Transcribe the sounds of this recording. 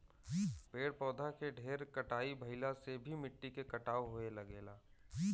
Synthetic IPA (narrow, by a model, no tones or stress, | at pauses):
peːɽpɔːd̪ʱakeɖʱeːɾkɐʈaːibʱɐɪlasebʱimɪʈːikekɐʈaːoɦoelɐɡeːlaː